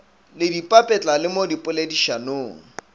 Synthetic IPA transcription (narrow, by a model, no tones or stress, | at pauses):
lɪdipʼapʼɛt͡ɬʼalɪmodipʼʊlediʃanoːŋ̩